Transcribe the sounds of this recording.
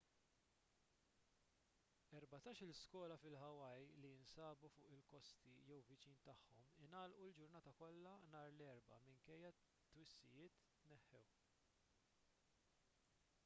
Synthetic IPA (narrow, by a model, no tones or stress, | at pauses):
ɛɾbɐt̪ɐːʃɪlskɔːlɐfɪlħɐwɐjlijɪnsɐːbufʊːʔɪlkɔst̪ijɛwvɪt͡ʃiːnt̪ɐħːɔmɪnɐːlʔuld͡ʒʊɾnɐːt̪ɐkɔlːɐnɐːɾlɛɾbɐ̰mɪŋkɛjːɐ | t̪ːwɪsːɪ̰jɪːt̪ːnɛħːɛw